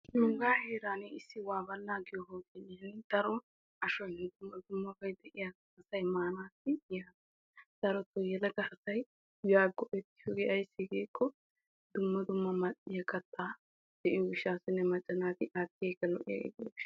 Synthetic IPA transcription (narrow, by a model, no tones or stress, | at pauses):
nuŋɡaːheːɾaːniɪsːɪwaːbɐlːaːɡɪjɔɦoːt̪ɛnɪɐnd̪̥ɐɾɔ | ɐʃɔjnɛd̪ʊmːɐd̪ʊmːɐbɐjd̪ɛʔɪjɐɡɐhɐsɐjmaːnaːsɪjaːt̪ɐ | d̪̥ɐɾɔt̪ːɔjɛlɐɡɐʔɐsɐj | baːɡːɔʔɛt̪ːɪ̥ʃɔɡɛʔɐjsːɪɡeːkʰːɔ | d̪ʊmːɐd̪ʊmːɐmɐtːɪjɐkʰʼɐt̪ʼːaː | d̪̥ɛʔɪjɔwɪʃaːsɪnːɛmɐt͡ʃʼːɐnaːt̪ɪʔat̪ːeːkːɐlɔʔɪjɐ̰ɛ̰ɡ̪